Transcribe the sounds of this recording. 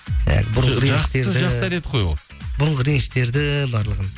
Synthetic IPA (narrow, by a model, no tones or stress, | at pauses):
æ̰nḛɡ̪ʲɪbʊɾəɴʁəɾʒeɾʒɑqssæd̪et̪qʰojo̰ | bʊɾəɴʁəɾenʃt̪e̞ɾd̪ɪbɑɾlˠəʁən